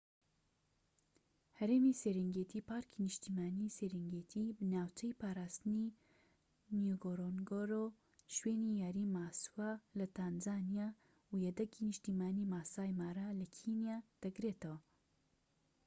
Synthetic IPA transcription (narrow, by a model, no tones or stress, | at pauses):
hɐɾeːmiseɾɛŋɡet̪ʰiːpaːɾkʰinɨʃt̪iːmaːniseɾɛŋɡet̪ʰibɨnaːwt͡ʃʰɐjpʰaːɾaːst̪ɨni | njuɡoɾonɡoɾo | ʃweːnijaːɾiːmaːswalɐt̪ʰanzaːnija | ujɛd̪ɐkinɨʃt̪imaːniːmaːsaːjmaːɾalɐkʰinijaːd̪̥ɐɡɾeːt̪ɐwa